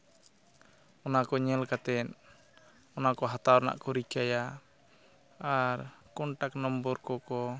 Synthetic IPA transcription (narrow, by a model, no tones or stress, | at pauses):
ɔnakɔɲɛlkat̪ɛn | ɔnakɔɦat̪awɔna̰ʔkɔɾikaja | aɾkɔɳʈak̚nɔmbɔɾkɔkɔ